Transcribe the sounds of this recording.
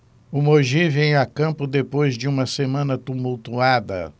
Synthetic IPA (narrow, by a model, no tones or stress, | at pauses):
ʊmoʒivẽj̃akɐ̃mpʊd̪epojzd͡ʒɪũmɐsemɐ̃nɐt̪umuwt̪uad̪ɐ̰